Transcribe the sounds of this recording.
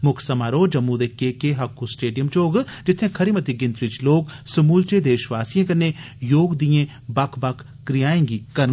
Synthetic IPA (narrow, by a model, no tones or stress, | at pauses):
mʊkʰsɐmaːɾoːd͡ʒɐmːuːd̪ekːekeɦɐkːusʈeːɖijəmt͡ʃoːɡd͡ʒɪt̪ʰẽkʰɐɾimɐt̪iɡɪ̃nt̪ɾit͡ʃloːɡsɐmuːlt͡ʃed̪eːʃʋaːsijẽkɐnːe | joːɡd̪ijẽ | bɐkʰbɐkʰː | ɾijaːẽːŋɡikɐɾ